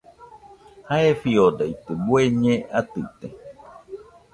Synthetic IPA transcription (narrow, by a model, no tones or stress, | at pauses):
haefiodeit̪ebueɲẽat̪ɨt̪e